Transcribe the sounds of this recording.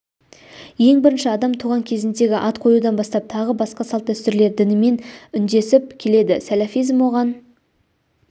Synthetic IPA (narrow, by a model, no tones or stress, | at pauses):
je̞ŋbɪɾɪnʃɪɑd̪ɑmt̪ʰuʁɑŋkʲʰe̞zɪnd̪e̞ɡʲɪʔɑt̪qʰo̞jud̪ɑnbɑst̪ɑp̚t̪ʰɑʁəbɑsqɑsɑlˠt̪əʏst̪ɪɾle̞ɾd̪ɪnɪme̞nʏnd̪e̞sɪp̚kʲʰele̞d̪ɪsalafijzmwo̞ʁɑn